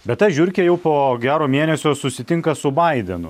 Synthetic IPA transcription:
bʲɛt̪t̪ɐʒʲʊɾʲkʲejɛʊpoːɡʲæːɾoːmʲiɛnʲɛsʲoːsʊsʲɪt̪ʲɪŋkɐsʊbɐɪd̪ʲɛnʊ̰

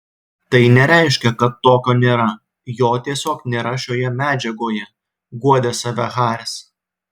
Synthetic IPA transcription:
t̪ɐɪnʲɛɾʲæˑɪʃʲkʲɛkɐt̪ːoːkʲoːnʲeːɾɐ | joːt̪ʲiɛsʲoːknʲeːɾɐʃʲoːjɛmʲæːd͡ʒʲɛɡoːjɛ | ɡuɔd̪ʲesɑʋʲɛɣɑːɾʲɪs

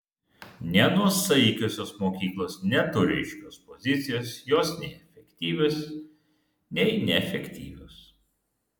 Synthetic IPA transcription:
nʲɛnuɔsɐɪkʲoːsʲoːsmoːkʲiːklˠoːsnʲɛt̪ʊɾʲɛ̰ɪʃʲkʲoːspɔzʲɪt̪sʲɪjoːsjoːsnʲɛɪɛfʲɛkʲt̪ʲiːʋʲoːs | nʲɛɪnʲɛɛfʲɛkʲt̪ʲḭːʋʲo̰ːs

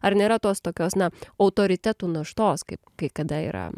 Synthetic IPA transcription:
ɐɾnʲeːɾɐt̪oːst̪oːkʲoːsnɐɐʊt̪oːɾʲɪt̪ʲæt̪uːnɐʃt̪oːskɐɪpkɐɪkɐd̪ɐḭːɾɐ̰

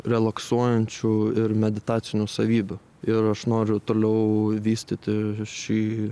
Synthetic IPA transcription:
ɾʲɛlˠɐksuɔjɛnʲt͡ʃʲʊɪɾmʲɛd̪ʲɪt̪ɑːsʲɪnʲʊsɐʋʲiːbʲʊ | ɪɾɐʃnoːɾʲʊt̪oːlʲɛʊʋʲiːsʲt̪ʲɪt̪ʲɪʃʲiː

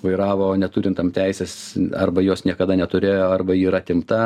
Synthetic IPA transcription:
ʋɐɪɾɑːʋoːnʲɛt̪uːɾʲɪnt̪ɐmt̪ʲɛɪsʲeːsɐrbɐjoːsnʲiɛkɐd̪ɐnʲɛt̪ʊɾʲeːjoːɐrbɐiːɾɐt̪ʲɪmt̪ɐ

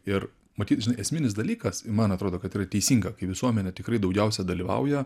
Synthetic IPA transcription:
ɪr | mɐt̪ʲiːt̪ʒʲɪnɐɪɛsʲmʲɪnʲɪs̬d̪ɐlʲiːkɐsɪmɐnɐt̪ɾoːd̪oːkɐt̪iːrɐt̪ʲɛɪsʲiːŋɡɐkɐɪʋʲɪsuɔmʲɛnʲɛt̪ʲɪkɾɐɪd̪ɐʊɡʲɛʊsʲɛd̪ɐlʲiːʋɐ̰ʊjɛ

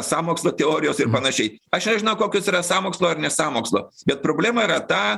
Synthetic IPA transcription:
sɑːmoːkslˠoːt̪ʲɛoːɾʲɪjoːsɪrpɐnɐʃʲɛɪɐʃnʲɛʒʲɪnɐʊkoːkʲʊsiːɾɐsɑːmoːkslˠoːɐrnʲɛsɑːmoːkslˠo̰ːbʲɛt̪pɾoːbʲlʲæːmɐiːɾɐt̪ɑː

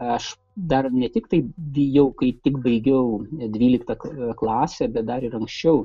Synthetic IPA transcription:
ɐʃ | d̪ɐrnʲɛt̪ʲɪkt̪ɐɪʋʲijɛʊkɐɪt̪ʲɪkbɐɪɡʲɛʊd̪ʲʋʲiːlʲɪkt̪ɐkklˠɑːsʲɛbʲɛt̪̚d̪ɐɾɪɾɐŋksʲt͡ʃʲɛʊ

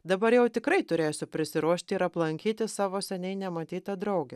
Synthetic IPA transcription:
d̪ɐbɐɾjɛʊt̪ʲɪkɾɐɪt̪ʊɾʲeːsʲʊpʲɾʲɪsʲɪɾuɔʃʲt̪ʲɪɪɾɐplˠɐŋʲkʲiːt̪ʲɪssɑːʋoːsʲɛnʲɛɪnʲɛmɐt̪ʲiːt̪ɐd̪ɾɐʊɡʲɛ

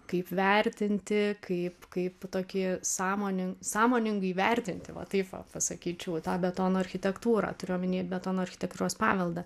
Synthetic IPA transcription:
kɐɪpʋʲɛrʲt̪ʲɪnʲt̪ʲɪkɐɪpkɐɪpt̪oːkʲisɑːmoːnʲɪŋsɑːmoːnʲɪŋɡɐiʋʲɛrʲt̪ʲɪnʲt̪ʲɪʋɐ̰t̪ɐɪpʋɐ̰pɐsɐkʲiːt͡ʃʲɛʊt̪ɑːbʲɛt̪oːnoːɐrʲxʲɪt̪ʲɛkt̪uːɾɑ̰ːt̪ʊɾʲɪjomʲɪnʲeɛt̪ʲbʲɛt̪oːnoːɐrʲxʲɪ̥t̪ʲɛkt̪uːɾoːspɑ̰ːʋʲɛlˠd̪ɐ

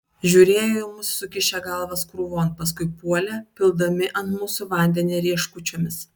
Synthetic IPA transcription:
ʒʲuːɾʲeːjomʊssʊkʲɪʃʲɛɡɐˑlˠʋɐskɾuːʋoːnpɐs̬kʊɪpuɔlʲɛpʲɪlˠd̪ɐmʲɪʔɐnt̪muːsʊʋɐnʲd̪ʲɛnʲiɾʲiɛʃkʊt͡ʃʲoːmʲɪs

